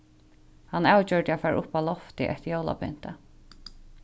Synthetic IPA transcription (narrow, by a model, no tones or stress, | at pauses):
hanaːwt͡ɕœɹt̪ɪafɛːɾʔʊpalɔft̪ɪʔɛ̰t̪joːwla̰pɛ̰n̥t̪a